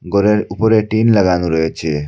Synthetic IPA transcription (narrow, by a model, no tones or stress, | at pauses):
ɡʌɾeupʌɾeʈinlʌɡanuɾʌɦet͡sʰe